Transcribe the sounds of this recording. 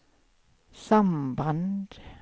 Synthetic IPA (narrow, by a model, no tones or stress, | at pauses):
samband̪̥